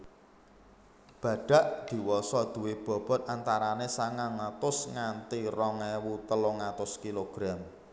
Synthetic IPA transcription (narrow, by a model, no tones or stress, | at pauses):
b̥ä̤ɖ̥a̤ʔd̪̥i̤wɔsɔd̪̥ṳweb̥ɔ̤b̥ɔ̤t̪̚ant̪aɾanesaŋaŋat̪ʊsŋant̪irɔŋɛwut̪əlɔŋat̪ʊskiloɡ̥ɾam